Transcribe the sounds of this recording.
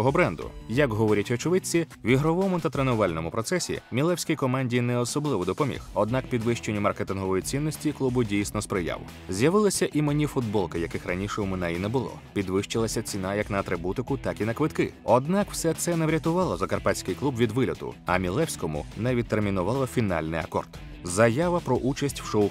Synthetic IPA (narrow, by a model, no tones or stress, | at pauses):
ɔɦɔbɾɛnd̪ʊ̰jɐkɦɔʋɔɾʲɐtʲɔt͡ʃʊʋɪt͡sʲiwʲʋʲiɦɾɔʋɔmʊt̪ɐt̪ɾenʊʋɑlʲnɔmʊpɾɔt̪sɛsʲḭmʲilˠɛwsʲkɪjkɔmanʲdʲijnɛɔsɔblˠɪʋɔd̪ɔpɔmʲḭxɔd̪nɑkpʲid̪ʋɪʃt͡ʃenʲːɐmɐrket̪ɪnɦɔʋɔjit͡sʲinːɔsʲtʲiklˠubʊdʲijsnɔspɾɪjɑ̰ʋʊ̰ | zʲjɐʋɪlˠɪsʲɐʔimenʲifʊd̪bɔlˠkɪjɐkɪxrɐnʲiʃɛwmɪnɛinɛbʊlˠɔ̰pʲid̪ʋɪʃt͡ʃɪlˠɐsʲɐt͡sʲinajɐknɐːt̪ɾɪbut̪ɪkʊt̪ɑkinɐkʋɪt̪kɪɔd̪nɑkw̥sɛt̪sɛnɛʋɾʲɐt̪ʊʋɑlˠɔzɐkɐrpasʲkɪjklˠubʋʲid̪ʋɪlʲɔt̪ʊ̰ɐ̰mʲilˠɛwsʲkɔmʊ̰nɛʋʲid̪̚ermʲinʊʋɑlˠɐfʲinɑ̰lʲnɪ̰jɐ̰kɔ̰rd̪ | zɐjaʋɐpɾɔʔut͡ʃɐsʲtʲwʃɔw